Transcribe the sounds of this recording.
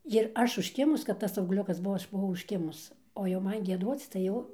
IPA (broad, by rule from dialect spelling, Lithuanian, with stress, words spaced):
jɪr ˈɐʃ ʊʃʲˈkʲɪmʊs kɐt ˈtɐs ɐʊɡˈlʲʊkɐs ˈbʊʋoː ˈɐʃ bʊˈʋɐʊ ʊʃʲˈkʲɪmʊs oː jɛʊ ˈmɐn ɡʲiɛˈduɔt͡s tɐɪ ˈjɛʊ